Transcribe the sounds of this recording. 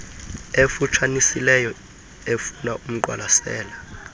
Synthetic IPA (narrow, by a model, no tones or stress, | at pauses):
efut͡ʃʰanisilɛjɔ | efunaʔum̩ǃwa̰lasɛːla